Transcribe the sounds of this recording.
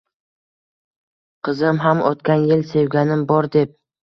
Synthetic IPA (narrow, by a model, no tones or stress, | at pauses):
qʰɨzɪmɦamʔɒt̪kʲanjɪlse̞wɡʲanɪmbɒɾd̪e̞p̚